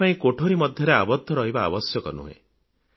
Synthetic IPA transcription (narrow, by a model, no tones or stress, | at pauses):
aĩkoʈʰoɾimɔd̪ʱjɔɾeabɔd̪ʱːɔɾɔɦiba̰ːbɔsjɔkɔnṵɦḛ̃